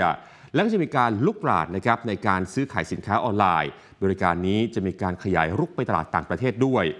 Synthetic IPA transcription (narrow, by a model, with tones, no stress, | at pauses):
a˩ | lɛ˦˥kaː˥˩t͡ɕa˨˩miː˧kaː˧nlu˦˥˩k̚pɾa̰ː˨˩t̪̚na˦˥kʰɾa˦˥p̚na˧jkaː˧nsɯː˦˥kʰaː˩˦jsi˩˦nkʰaː˦˥ʔɔː˧nlaː˧j | bɔː˧ɾi˦˧kaː˧nːiː˦˥t͡ɕa˨˩ʔmiː˧kaː˧nkʰa˧ja̰ː˩˦jɾu˦˥˩k̚pa˧jt̪a˧la̰ː˨˩t̪ːaː˨˩ŋpɾa˧t̪ʰeː˥˩t̪̚du˥˩əj